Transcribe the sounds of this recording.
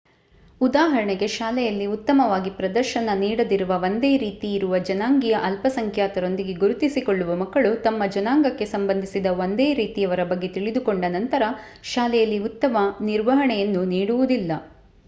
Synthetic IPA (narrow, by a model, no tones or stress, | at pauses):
ud̪aːɦɐɾɐɳɛɡe̞ʃaːlɛjɐlːiut̪ːɐmɐʋaːɡipɾɐd̪ɐɾʃɐnɐniːɽɐd̪iɾuʋɐʋo̞nd̪eːɾiːt̪iːɾuʋɐd͡ʒɐnaːŋɡijɐʔɐlpɐsɐŋkʰjaːt̪ɐɾo̞nd̪iɡe̞ɡuɾut̪isiko̞ɭːuʋɐmɐkːɐɭut̪ɐmːɐd͡ʒɐnaːŋɡɐkːe̞sɐmbɐnd̪ʱisid̪ɐʋond̪eːɾiːt̪ijɐʋɐɾɐbɐɡːe̞t̪iɭid̪ukoɳɖɐnɐnt̪ɐɾɐ | ʃaːlɛjɐlːiut̪ːɐmɐniɾʋɐɦɐɳɛjɐnːuniːɽuʋud̪ilːɐ